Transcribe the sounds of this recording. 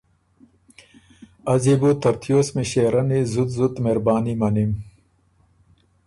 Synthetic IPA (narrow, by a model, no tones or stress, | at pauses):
ɐzibut̪ɐɾt̪ʰjoːsmiɕeɾɐnizut̪zut̪meɾbaːnimɐnim